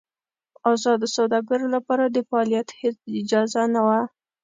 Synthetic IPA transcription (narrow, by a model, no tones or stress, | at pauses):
ɑzɑd̪əsawd̪ɑɡəɾolapɑɾad̪əfaɑlijat̪het͡sɪd͡ʒɑzanawa